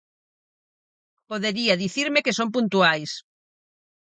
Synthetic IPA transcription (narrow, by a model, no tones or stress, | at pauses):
poðeɾiɐðiθiɾmekesomp̬unt̪uajs